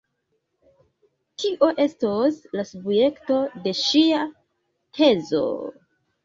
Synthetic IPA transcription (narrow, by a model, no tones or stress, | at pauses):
tiʔo̞ʔe̞stoslasubje̞kto̞de̞ʃia | tʰe̞zo̰